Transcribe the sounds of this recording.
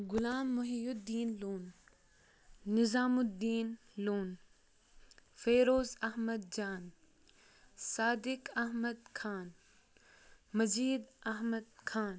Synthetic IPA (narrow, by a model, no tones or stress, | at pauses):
ɡʊlaːmːʊɦijʊdd̪iːnloːn | ɪzaːmʊd̪iːn | loːn | feːɾoːzɐɦmɐd̪̚d͡ʒaːn | saːd̪ɪkɐɦmɐd̪̚kʰaːn | mɐziːd̪ɐɦmɐd̪̚kʰaːn